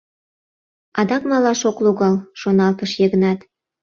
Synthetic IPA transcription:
ɑd̪ɑkmɑlɑʃokluɣɑlʃonɑlt̪əʃjəɣənɑt̪

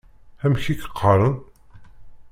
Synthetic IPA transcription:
æmçikə̥qʰːɑɾˤən

